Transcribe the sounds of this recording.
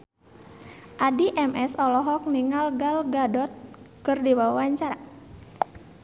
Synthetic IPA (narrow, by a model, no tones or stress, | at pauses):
ʔadiʔɛmɛsɔlɔɦɔk̚niŋalɡalɡadɔt̪̚kɨrdiwawawaɲt͡ʃaɾa